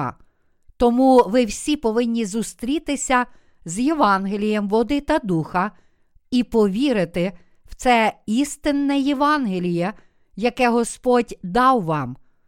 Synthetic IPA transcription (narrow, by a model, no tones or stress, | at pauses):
t̪ɔmuʋɪwsʲipɔʋɪnʲːizust̪ɾʲit̪ɪsʲɐ | zjeʋɑnɦelʲijɛmʋɔd̪ɪt̪ɐd̪uxɐ | ipɔʋʲiɾɪt̪ɪ | w̥t̪sɛist̪ɪnːɛjeʋɑnɦelʲijɛ | jɐkɛɦɔspɔdʲd̪ɑwʋɑm